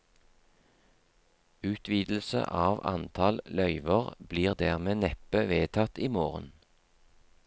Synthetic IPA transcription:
ʉːt̪ʰʋiːd̪l̩sə̰ʔɑːʋɑ̰nt̪ʰɑllœʏʋəʁbliːʁd̪æːʁmeːnɛpəʋeːt̪ʰɑt̪iːmoːʁə̰n

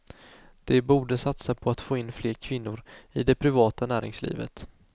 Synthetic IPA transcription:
d̪̥ɛbuːɖəsat̪sapʰɔat̪foːɪnːfleːɾkʰvɪnːʊɾɪd̪ɛpʰɾɪvɑːt̪anæːɾɪ̰ŋslḭːvə̰t̪

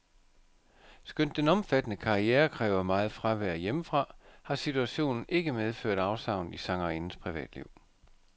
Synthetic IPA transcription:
sɡ̥øn̰d̥enɒ̽mfæd̥ənəkʰɑ̈ieːɐkʰʁɛ̰ːʊɐmɑ̈ːð̞̩ˠfʁaʋæɐjemfʁɑ̈hɑ̈sit͡sʰuæɕo̝̰ːnn̩ʔe̝ɡ̥əmeð̞ˠfø̰ɐ̰d̥ɑ̈ʊsɑ̈ʊn̩isɑ̈ŋɑinn̩spʰʁiʋɛ̰ːd̥liʊ̰

